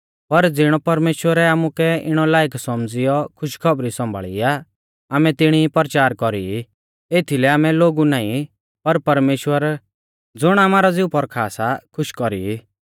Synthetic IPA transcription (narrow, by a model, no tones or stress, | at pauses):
pɐɾd͡zɪɽ̃ɔpɐɾmeːʃwəɾɛaːmukɛɪɽ̃ɔlaːɪksɔmd͡zɪjɔkʰʊʃkʰɔbɾisɔ̃mbʱa̰ːɭḭa | aːmɛt̪ɪɽ̃ipɔɾt͡ʃaːɾkɔɾii | eːt̪ʰilɛaːmɛloːɡunaːĩ | pɐɾpɐɾmeːʃwəɾ | d͡zʊɽ̃aːmaːɾɔd͡zɪupɔɾkʰaːsakʰʊʃkɔɾḭi